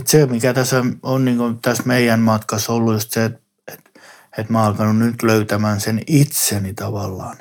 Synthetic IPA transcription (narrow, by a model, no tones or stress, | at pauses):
t̪semikæt̪æsːæonniːŋkot̪æsmeijænmɑt̪kɑsolːujost̪set̪ | e̥t̪ | et̪mæɑlkɑnunnyt̪løyt̪æmæːnsenit̪senit̪ɑʋɑlːɑːn